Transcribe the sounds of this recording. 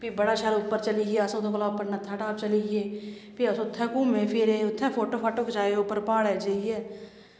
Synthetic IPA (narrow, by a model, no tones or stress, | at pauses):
piːbəɽaːʃəɾʊpːəɾt͡ʃəliːɛːəsõːt̪õːkəlaːpːəɾnət̪ʰːaːʈaːp̚t͡ʃəliːeː | piːəsʊt̪ʰːɛ̃ːkuːmẽːpʰɪɾeʊt̪ʰːɛ̃ːpʰoːʈoːpʰaʈʊkd͡ʒaːeʊpːəɾpaːɽɛːd͡ʒaiɛː